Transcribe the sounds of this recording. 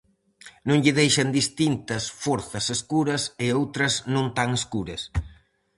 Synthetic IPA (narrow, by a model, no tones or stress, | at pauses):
nõŋʎɪðejʃɐnd̪ist̪int̪ɐsfɔɾθɐseskuɾɐsɪowt̪ɾɐznõnt̪aŋeskuɾɐs